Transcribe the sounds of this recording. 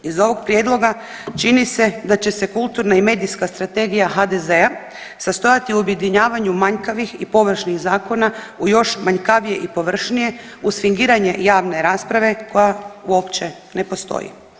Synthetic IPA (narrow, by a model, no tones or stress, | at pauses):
izo̞ʋo̞ɡpɾje̞ːd̪lˠo̞ɡa | t͡ʃinise̞d̪at͡ɕe̞se̞kulˠt̪uɾnaime̞ːd̪ijskast̪ɾat̪e̞ɡijaɦad̪e̞ze̞a | sast̪o̞jat̪iuobje̞d̪iɲaːʋaɲumaɲkaʋixipo̞ʋr̩ʃniɣzaːko̞na | ujo̞ʃmaɲkaʋije̞ʔipo̞ʋr̩ʃnije̞ | usfiŋɡiːɾaɲe̞jaːʋne̞ɾaːspɾaʋe̞ko̞jauo̞pt͡ɕe̞ | ne̞po̞st̪o̰jḭ